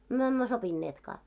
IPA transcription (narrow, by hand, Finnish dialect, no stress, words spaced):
myø emːø sopinːeːtkɑː